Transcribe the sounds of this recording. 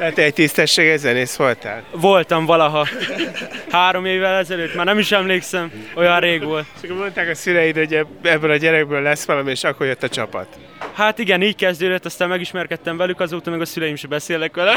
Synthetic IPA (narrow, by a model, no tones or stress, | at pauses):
t̪ɛːt̪ɛc̚t̪ist̪ɛʃːeːɡɛzɛneːsʋo̞lt̪a̰ːlvo̞lt̪ɒɱvɒlɒɦɒ | haːɾo̞meːvːɛlɛzɛløːt̪maːrnɛmiʃɛmleːksɛmo̞jɒrreːɡʋo̞lt̪okomo̞nt̪aːkɒsylɾɛjid̪oɟɛ | ɛbːølɒɟɛɾɛɡ̚bøːlːɛsʋɒlɒmieːʃɒkːorjøt̪ːɒt͡ʃɒpɒ̰t̪ | haːt̪iɡɛniːckɛzd̪øːd̪øt̪ːɒst̪aːmmɛɡiʃmɛrkɛt̪ːɛɱvɛlykɒzoːt̪ɒmɛɡɒsylɛjimʃɛbɛseːlɛkʋɛlɛ